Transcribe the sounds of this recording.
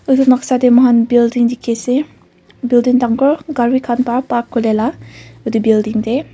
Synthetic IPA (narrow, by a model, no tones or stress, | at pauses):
ɯdunak̚sademɔɦanbildiŋdikʰese | bildiŋtaŋkɔɹɡaɹwikʰanpaɹpakʰːɯlelaɯdibildiŋde